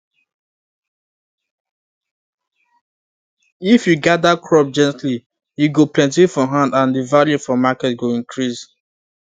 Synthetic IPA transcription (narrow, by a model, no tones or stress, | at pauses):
ifjuɡadakʰɹɔp̚d͡ʒɛ̃ntʰli | juɡoplɛ̃ntifɔɦãndãndivaljufɔ̃makɛtɡoĩnkʰɹis